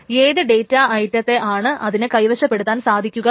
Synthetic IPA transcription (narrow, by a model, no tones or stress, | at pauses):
eːðɨɖe̞jtːaɐjtːɐt̪ːe̞ʔaːɳɨʔɐðinɨkɐjʋɐɕɐpːe̞ɽut̪ːaːnsaːd̪ʱikʲːuɣɐ